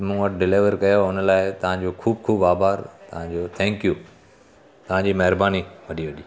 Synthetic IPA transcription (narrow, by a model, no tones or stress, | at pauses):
mʊ̃ʋɐʈʰɖɪleːʋəɾkɐjoʊnlaːɪt̪ɐʋ̤ãɲd͡ʑoːkʰuːb̚kʰuːbaːbaːɾt̪ɐʋãɲd͡ʑoːt̪ʰɛ̃ːŋkju | t̪ɐʋ̤ãɲd͡ʑiːmɐɦɪɾbaːniʋɐɗiʋɐɗiː